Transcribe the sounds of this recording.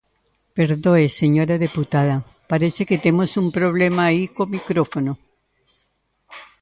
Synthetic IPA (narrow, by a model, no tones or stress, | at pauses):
pe̞ɾðoeseɲo̞ɾaðeput̪aða | paɾeseket̪emosumpɾo̞β̞lemaːikomikɾofono